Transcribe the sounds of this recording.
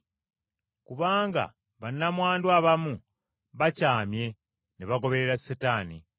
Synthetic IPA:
kuβaːŋɡa̰ | βanːamwaːndwaβamu | βacaːmje̞ | neβaɡo̞βe̞ɾeɾasːetaːni

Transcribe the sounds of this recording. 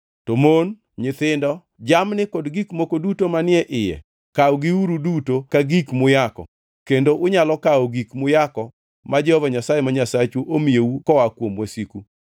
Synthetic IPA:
tomon | ɲɪt̪ɪndɔ | d͡ʒamnɪkɔdɡikmokodutomanɪɛʔɪjɛ̰ | kawɔɡiuɾudutokaɡikmʊjakɔ̰ | kendoʔʊɲalɔkaɔɡikmʊjakɔ | mad͡ʒɛhɔvaɲasajemaɲasat͡ʃuʔomijeukɔwakwomwasiku

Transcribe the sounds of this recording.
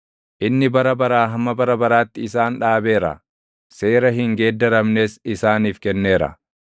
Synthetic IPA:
ʔɪnːɪbɐɾɐbɐɾaːɦɐmːɐbɐɾɐbɐɾaːt̪ːɪɪsaːnᶑaːbe̞ːɾɐ̰ | se̞ːɾɐɦɪŋɡe̞ːd̪ːɐɾɐmne̞ːsɪsaːniːfkɛnːe̞ːɾɐ̰

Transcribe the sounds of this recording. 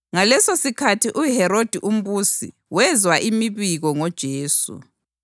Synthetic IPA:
ŋalɛsosikʰatʰiʔuɦɛɾod̥ʱiʔum̩βuːsḭ | wɛzwaʔimiβiɣɔŋɔd̥ʒ̥ʱeːsṵ

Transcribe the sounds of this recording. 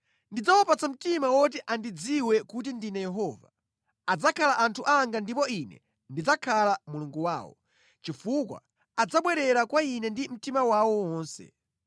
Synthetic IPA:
ndid͡zawɔpat͡sam̩timawɔt̬iʔandid͡ziwɛkut̬indinɛjɛɦɔva̰ | ad͡zakʰalaʔantʰuʔaŋɡandipɔinɛ̰ | ndid͡zakʰalamuluŋɡuwa̰ːwɔ̰ | t͡ʃifukwa̰ | ad͡zaɓwɛɾɛɾakwainɛndim̩timawawɔwwɔːnsɛ̰

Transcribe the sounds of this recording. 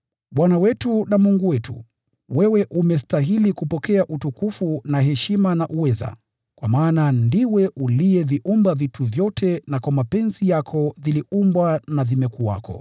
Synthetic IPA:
ɓwanawɛtunamuŋɡuwɛtʰṵ | wɛwɛʔumɛstaɦilikupɔkɛaʔutukufunaɦɛʃimanaʔuwɛza̰ | kwamaːnandiwɛʔulijɛviʔumbavitʰuvjɔtʰɛnakwamapɛnzijakʰɔðiliumbwanavimɛkuwa̰kʰɔ̰

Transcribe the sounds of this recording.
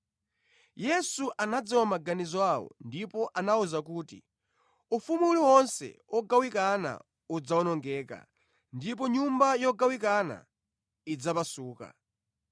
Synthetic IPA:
jɛsuʔanad͡ziwamaɡanizɔawɔ̰ndipɔʔanauzak̬uːtḭ | ufumuuliwɔnsɛ̰ɔɡawikana̰ | ud͡zaɔnɔŋɡɛːka̰ | ndip̬ɔɲumbajɔɡawikana̰ | id͡zapasuːka̰

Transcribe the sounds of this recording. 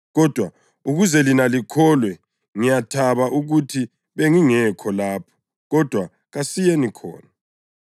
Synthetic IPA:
ɣɔd̥ʱwa | uɣuzɛlinalikʰɔlwɛ | ŋijatʰaβaʔuɣutʰi | βeŋiŋɛkʰɔlaːpʰɔ̥ | ɣɔd̥ʱwa | ɣasijenikʰɔ̰ːna

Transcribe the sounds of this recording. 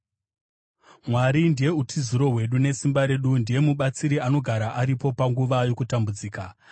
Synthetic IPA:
mwaɾindije̞utʰiziɾo̞ɦwe̞ɗune̞simbaɾe̞ɗundije̞muɓat͡siɾiano̞ɡʱaɾaʔaɾipo̞paŋɡuʋajo̞kutambud͡ziːka

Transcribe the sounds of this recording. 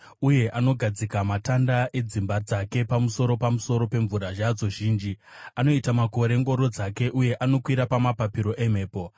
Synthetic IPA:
uje̞ʔano̞ɡʱad͡zikamatandaʔe̞d͡zimbad͡zake̞pamuso̞ɾo̞pamuso̞ɾo̞pe̞ɱvuɾaʒad͡zo̞ʒiːnd͡ʒiano̞itamako̞ɾe̞ŋɡo̞ɾo̞d͡zake̞ʔuje̞ʔano̞kwiɾapamapapiɾo̞ʔe̞m̤e̞ːpo̞

